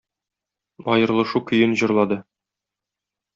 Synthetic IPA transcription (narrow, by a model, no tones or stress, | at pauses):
ɒjɤ̆ɾlˠɤ̆ʃukɵ̆jɘnʑɤ̆ɾlˠɑd̪ɤ